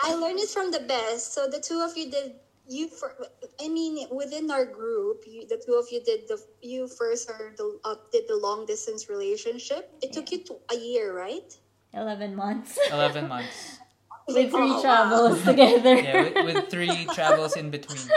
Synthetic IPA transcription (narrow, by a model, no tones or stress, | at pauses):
ʔaɪlɜ̃˞ndɨtfɹʌ̃mðɨbɛstsoʊðɨtʰuʌvjɨdɪd̚ | jɨfə˞aɪmĩnwɪðɪ̃naʊə˞ɡɹupjðɨtʰuʌvjɨdɪd̪̚ðəjɨfɜ˞st̚hɜ̃˞d̪̚ðəʌd̥ɨd̪̚ðəlɔ̃ŋdɪstɨ̃nsɹileɪʃɨ̃nʃɪp̚ɨtʰːʊkjɨtəjɪɹɹaɪt̚ | ɪlɛvɨ̃nmʌ̃nθsɪlɛvɨ̃nmʌ̃nθ | ɨθɹitʰɹ̥ævl̩ˠztʰɨɡɛðə˞jæwɪθɹitʰɹ̥ævl̩ˠzɨ̃nbɨtʰw̥ĩn